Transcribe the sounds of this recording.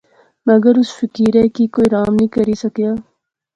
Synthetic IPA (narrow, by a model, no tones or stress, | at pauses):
mɐɡəɾʊsfɪkiːɾɛkiːkoːiɾaːmnĩːkɐɾiːsɐkjaː